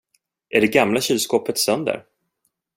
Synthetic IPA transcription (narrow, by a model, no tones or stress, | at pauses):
ʔæɖɛɡamlaɕilskoːpət̪sœnd̪ə̰ɾ